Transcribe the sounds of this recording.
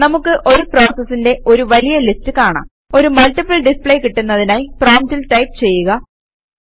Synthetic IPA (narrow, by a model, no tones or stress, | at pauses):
nɐmukːɨʔo̞ɾupro̞ːsɐsːinde̞o̞ɾuʋɐlijɐlistɨkaːɳa̰m | o̞ɾumɐlʈipːɐɭɖispɭejkiʈːunːɐðinaːjproːmtilʈɐjpt͡ɕe̞jːuɣɐ